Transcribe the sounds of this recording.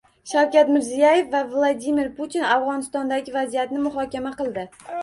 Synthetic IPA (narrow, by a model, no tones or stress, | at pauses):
ʃawkʲat̪mɪɾzijaje̞fvavlˠad̪imɪɾput̪ʰinavʁɒnɪst̪ɒnd̪aɡʲɪvazijat̪nɪmʊɦɒkʲamaqɨlˠd̪ɪ